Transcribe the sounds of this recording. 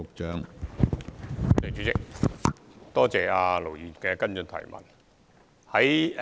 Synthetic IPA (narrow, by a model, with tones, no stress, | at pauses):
ʊ˨k̚t͡ʃœː˨˥ŋ˨˥ | t̪e˨t͡ʃyː˨˥t͡sɪ˨k̚ | t̪ɔː˥t͡sɛː˨aː˧lo˨˩wjiː˨˩nkɛː˧kɐ˥nt͡sɵ˧nt̪ʰɐ̰˨˩jmɐ̰˨˩n | hɐ˨˥j